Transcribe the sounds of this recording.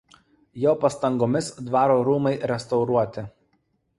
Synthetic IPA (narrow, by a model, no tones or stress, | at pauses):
jɛʊpɐst̪ɐŋɡoːmʲɪsd̪ʋɑːɾoːɾuːmɐɪɾʲɛst̪ɒʊɾuɔt̪ʲɪ